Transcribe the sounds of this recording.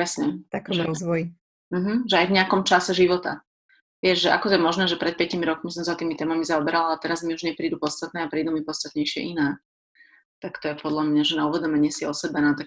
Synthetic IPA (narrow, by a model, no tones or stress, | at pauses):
pɾɛsɲɛt̪akɔʒɛɾɔzʋɔji | m̩ɦm̩ʒɛajvɲɛakɔmt͡ʃasɛʒiʋɔt̪a̰ | ʋɪɛʒʒɛʔa̰kɔt̪ɔjɛmɔʒnɛːʒɛpɾɛt̪̚pjɛcimiɾɔkmis̬ɔmzat̪iːmit̪ɛːmamizaɔbɛɾalaɛt̪ɛɾazmiuʒɲɛpɾiːd̪upɔt̪st̪at̪nɛːapɾiːd̪umipɔt̪st̪at̪ɲɛjʃɪɛ̰ʔinɛː | t̪akt̪ɔjɛpɔd̪ʎamɲaʒɛnauʋɛd̪ɔmɛɲɪɛsiɔsɛbanat̪ak̚